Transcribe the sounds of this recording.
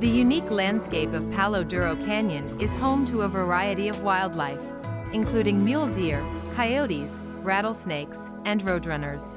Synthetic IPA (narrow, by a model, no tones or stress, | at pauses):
ðɨjʉniklæ̃nd̥skeɪpʌv̥pʰælˠoʊdɜɹoʊkʰæ̃njɨ̃nɪz̥hõʊ̃mtʰəəvə˞aɪɨɾiʌvwaɪlˠdˡlaɪf | ɨ̃nkʰl̥ʉɾɪ̃ŋmjʉlˠdɪɹkʰaɪoʊɾiz̥ | ɹæɾl̩ˠsneɪks | ɨ̃nɹoʊd̚ɹʌnə˞z̥